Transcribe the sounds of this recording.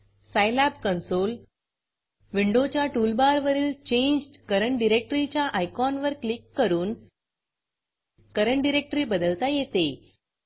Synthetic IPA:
sajlabkənsol | ʋiɳɖot͡ɕjaʈulbaɾʋəɾiːlt͡ɕẽɲd͡ʑkəɾəɳʈɖiɾek̚ʈɾit͡ɕjaʔajkɔnʋəɾklikːəɾuːn | kəɾəɳʈɖiɾek̚ʈɾiːbəd̪əlt̪ajet̪e

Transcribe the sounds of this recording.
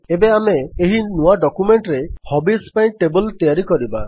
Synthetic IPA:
ebeameːɦinuaɖɔkumeɳʈɾehɔbispaĩʈebɔlt̪ɔjaɾikɔɾiba

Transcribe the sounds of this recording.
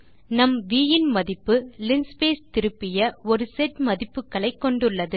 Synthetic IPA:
nɐmʋiːjɪnmɐðɪpːɯlɪnspeːst̪ɪɾɯpːɪjɐɔɾɯsɛʈmɐðɪpːɯkːɐɭɐɪkːɔɳɖɯɭːɐðɯ

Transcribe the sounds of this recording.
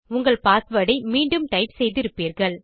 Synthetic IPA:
ʊŋɡɐɭpaːsʋɐɽɐɪmiːɳɖɯmʈɐɪpsɛjðɪɾɯpːiːɾɣɐɭ

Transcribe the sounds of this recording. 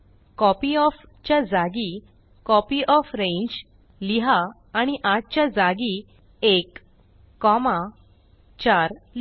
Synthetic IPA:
kɔpiɔf | t͡ɕjad͡zaɡi | kɔpiʔɔfɾẽɲd͡ʑ | liɦaː | ɽ̃iʔat̪̚t͡ɕjad͡zaɡi | ekː | ɔmã | t͡ɕaɾl

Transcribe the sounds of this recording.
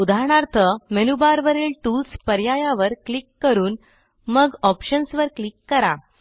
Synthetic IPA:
ud̪ʱaɾɳaɾt̪ʰəmenubaɾʋəɾeːlʈulspəɾjajaʋəɾklikːəɾuːn | məɡɔpɕənsʋəɾklikːəɾa

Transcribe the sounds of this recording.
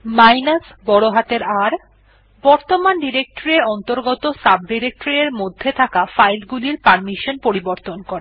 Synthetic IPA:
majnasbɔɽoɦat̪eɾaɾ | bɔɾt̪omanɖiɾek̚ʈoɾeɔnt̪oɾɡɔt̪osab̚ɖiɾek̚ʈɾieɾmod̪ʱːet̪ʰakafajlɡuliɾpaɾmiʃonpoɾiboɾt̪onkoɾe

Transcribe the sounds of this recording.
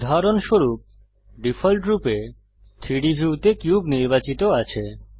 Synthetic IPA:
d̪ʱaɾonʃoɾup̚ | ɖifʰɔlʈɾupe | t̪ʰiɽibʱiut̪ekjubniɾbat͡ɕit̪oat͡ɕʰe

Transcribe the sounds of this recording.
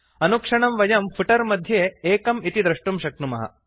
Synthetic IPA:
ɐnukʂɐɳɐmʋɐjɐmfʰuʈɐɾmɐd̪ʱjeeːkɐmit̪id̪ɾɐʂʈumʃɐk̚numɐ̰ɦɐ̰

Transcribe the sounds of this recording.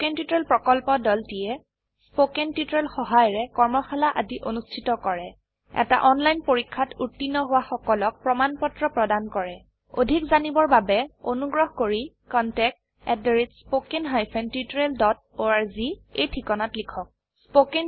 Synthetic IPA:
kentitɹelpɹɔkɔlpɔdɔltijɛ | spokentitɹelxɔɦajɔɹɛkɔɹmɔxalaʔadiʔonustʰitɔkɔɹɛ | ɛ̰ta̰ʔɔnlajnpoɹikʰːatʰutːinːɔɦʊwaxɔkɔlɔk̚pɹɔmanpɔtɹɔpɹɔdankɔɹɛ | odʱikzanibɔɹbabɛonuɡɹɔɦkoɹi | kɔntɛk̚t | ɛt̚deɹitspokenɦajpʰɛntitɹeldɔt̚ | oaɹzietʰikɔnatlikʰɔk̚ | spoken

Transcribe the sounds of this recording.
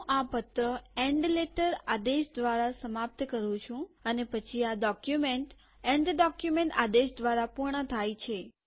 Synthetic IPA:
ʔapət̪ɾəeɳɖleʈəɾad̪eʃd̪ʋaɾasəmap̚t̪kəɾʋũt͡ʃʰũənepət͡ʃʰiaɖɔkjumeɳʈ | eɳɖɖɔkjumeɳʈa̰d̪eʃd̪ʋaɾapuɾɳət̪ʰajt͡ʃʰe

